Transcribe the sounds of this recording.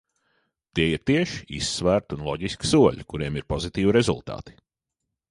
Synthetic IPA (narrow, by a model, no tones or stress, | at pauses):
t̪iɛiɾt̪iɛʃi̥ḭsːvæːɾt̪unlˠɔɟiski̥suɔʎukuɾiɛmiɾpɔzit̪iːviɾezṵlˠt̪a̰ːt̪i̥